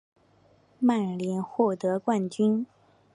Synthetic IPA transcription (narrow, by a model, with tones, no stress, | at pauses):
ma˥˩nljɛ˧˥nxwɔ˥˩t̪ɤ˧˥kwa˥˩nt͡ɕy˥n